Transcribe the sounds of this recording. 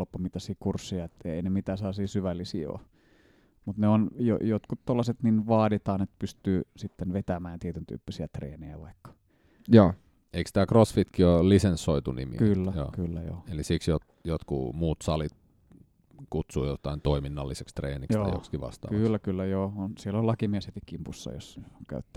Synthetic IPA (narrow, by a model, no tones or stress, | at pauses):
lpːomit̪ɑsiːkursːijɑet̪ːḛinemit̪æːselːɑsiːsyʋælːisḭːo̰ː | mut̪neonjo̰jot̪kut̪t̪olːɑset̪ninʋɑːdit̪ɑːnet̪pyst̪yːsit̪ːenʋet̪æmæːnt̪iet̪ynt̪y̰ːpːisiæt̪rḛːnejæ̰ʋɑikːɑ̥ | joː | eikst̪æːkrosfit̪kiolisensːoit̪unḭmḭkylːæjo̰ːkylːæjo̰ːelisiksjot̪ | jot̪kṵmuːt̪sɑlit̪ | kut̪suːjot̪ɑint̪oiminːɑlːisekst̪reːnikjojo̰kskiʋɑ̰st̪ɑ̰ːkɑylːækylːæjoːonsielːolɑkimieshet̪ikkimpusːɑ̰jo̰skæ̰yt̪ːæ